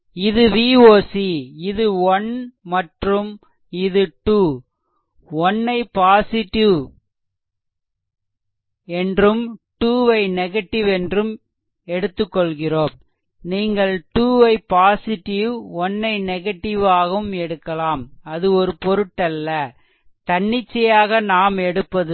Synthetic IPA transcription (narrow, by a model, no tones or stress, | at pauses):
ɪðɯʋiːoːsiɪðɯɔnmɐʈrɯm | ɪðɯʈuː | ɔnːɐɪpaːsɪʈːɪʋ | ɛndrɯmʈuːʋɐɪnɛɣɐʈːɪʋɛndrɯm | ɛɽɯt̪ːɯkːɔɭɣɪroːm | niːŋɡɐɭʈuːʋɐɪpaːsɪʈɪʋɔnːɐɪnɛɣɐʈːɪʋaːɣɐɯmɛɽɯkːɐlaːmɐðɯɔɾɯpɔɾɯʈːɐlːɐ | t̪ɐɳːɪt͡ʃːɐjaːɣɐnaːmɛɽɯpːɐðɯ